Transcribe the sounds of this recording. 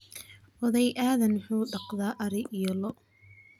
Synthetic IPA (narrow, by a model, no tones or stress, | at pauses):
hɔðɛjʔaːðɐnħuːɖɑqðaːʔɐɾɪʔijɔlɔʔ